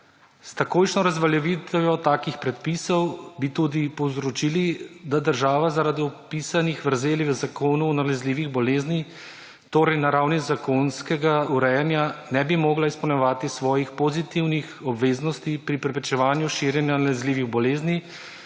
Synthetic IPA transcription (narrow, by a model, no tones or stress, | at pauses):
st̪akoːjʃnɔɾazʋaljɛʋiːt̪ɔʋjɔt̪aːkixpɾɛt̪̚piːsɔwbit̪uːd̪ipɔwzɾɔt͡ʃilid̪ad̪əɾʒaːʋazaɾad̪iɔpiːsanixʋəɾzeːliʋəzakoːnuɔnalɛzliːʋiɣbɔleːzni | t̪oːɾɛjnaɾawnizakonskɛɡauɾɛjɛnjanɛbimɔːɡlaispɔwnɔʋaːt̪isʋɔːjixpɔzit̪iwnixɔbʋeːznɔst̪ipɾipɾɛpɾɛt͡ʃɛʋaːnjuʃiːɾjɛnjanalɛzliːʋiɣbɔleːzni